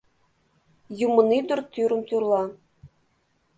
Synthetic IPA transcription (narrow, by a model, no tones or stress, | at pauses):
jumɤ̆nid̪ŭrt̪ʲyɾɘ̆mt̪urlˠɑ